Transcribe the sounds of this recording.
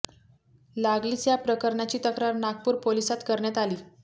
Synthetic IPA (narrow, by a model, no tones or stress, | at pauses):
laɡliːt͡sjapɾəkəɾɳat͡ɕiːt̪əkɾaɾnaɡ̚puːɾpolisat̪kəɾɳjat̪aliː